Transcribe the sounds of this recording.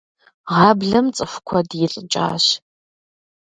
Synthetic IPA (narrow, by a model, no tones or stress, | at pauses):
ʁɑːbɮɐmt͡sʼɨfʷkʷʰɔdjɪɬʼɨt͡ʃʼa̰ːɕ